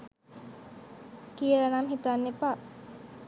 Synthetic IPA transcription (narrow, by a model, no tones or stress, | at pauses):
kiəlanamɦit̪anːepa